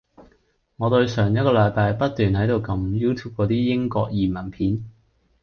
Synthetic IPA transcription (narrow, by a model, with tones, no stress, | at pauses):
ŋɔː˨˧t̪ɵ˧ɥsœː˨˩ŋjɐ˥t̚kɔː˧lɐ˨˧˥jpaː˧jpɐ˥t̚t̪yː˨nhɐ˨˥jt̪o˨˧wkɐ˧mjuː˥t̪ʰuː˥p̚kɔː˨˧t̪iː˥jɪ˥ŋkɔː˧k̚jiː˨˩mɐ˨˩npʰiː˨˥n